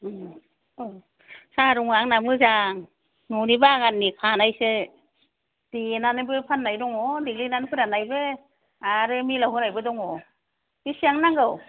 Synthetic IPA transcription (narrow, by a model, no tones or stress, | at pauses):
saɾuŋaŋnamɯzaŋ | nunibaɡanːipʰanajse | d̥inanɯbɯpʰanːajɾɔŋɔdiɡlinanɯpʰɯɾanajbe | aɾɯmilawɦɯnajbɯdɔŋɔ | bisiaŋnaŋɡɯw